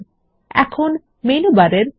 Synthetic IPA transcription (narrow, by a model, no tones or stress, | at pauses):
ɛ̰kʰon | mejnubaɾeɾ